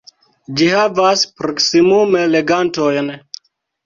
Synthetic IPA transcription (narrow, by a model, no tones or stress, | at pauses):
d͡ʒihavaspɾoksimumeleɡantojn